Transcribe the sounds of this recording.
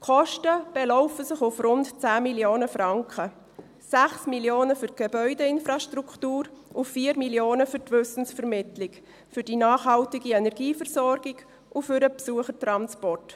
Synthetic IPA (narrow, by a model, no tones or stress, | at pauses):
kʰɔʃtəb̥ɛlɔʊfəsɪχʊfrʊntt͡sæːmiljoːnəfɾɑŋkχə | sæχsmiljoːnəfʏɾt̚ɡ̥ebœʏdɛɪnfɾaʃtɾuktuːɾʔʊfiːəɾmiljoːnəfʏɾtvʏsn̩sfɛɾmɪtlɪk | fʏɾd̥inɑːχɦɑltɪɡiɛnɛɾɡ̥iːfɛɾsɔɾɡ̥ɪɡ | ʊfʏɾəpsuəχətrɑnspɔrt